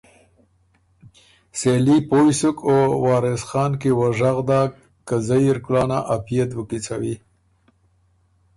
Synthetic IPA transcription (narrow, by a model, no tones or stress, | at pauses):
selipojsʊkowɑːɾɪsxɑːnkewaʐaɣd̪ɑ | kːazajiɾklɑːnaʔapijat̪wəkit͡sawi